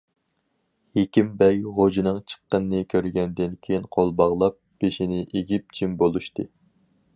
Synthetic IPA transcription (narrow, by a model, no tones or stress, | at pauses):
hekʲimbɛjʁod͡ʒinɨŋt͡ʃʰə̥qːənːɨkʲʰøɾɡʲɛnd̪ɪnkʲʰejinqʰolˠbɑʁlˠɑp̚b̥eʃinɪʔeɡʲip̚d͡ʒʰimbolˠuʃt̪ɨ